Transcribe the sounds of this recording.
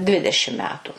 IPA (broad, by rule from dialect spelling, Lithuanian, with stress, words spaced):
ˈdʲʋʲɪdʲɛʃʲɪm ˈmʲæːtʊ